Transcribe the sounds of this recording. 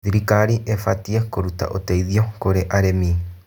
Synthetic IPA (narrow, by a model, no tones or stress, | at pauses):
ðiɾikaɾiʔefatiekoɾuta̰ʔoteiðiokoɾeʔaɾemi